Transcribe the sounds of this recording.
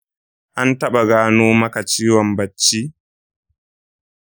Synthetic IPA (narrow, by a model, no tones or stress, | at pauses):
ʔantaɓaɡaːnoːmakat͡ʃiːwambat͡ʃːi